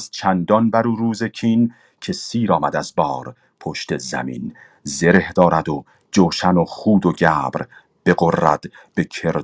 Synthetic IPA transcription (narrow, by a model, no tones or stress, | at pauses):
st̪̚t͡ʃʰænd̪ɒnbæɾuːɾuːze̞cʰiːn | cʰe̞siːɾɒːmæd̪æzbɒːɾ | pʰoʃt̪e̞zæ̰mḭːn | ze̞ɾe̞hd̪̥ɒːɾæd̪o | d͡ʒoːʃænoχuːd̪oɟæːbɾ | b̥e̞ɣorːæ̰d̪̥ | b̥e̞cʰeɾ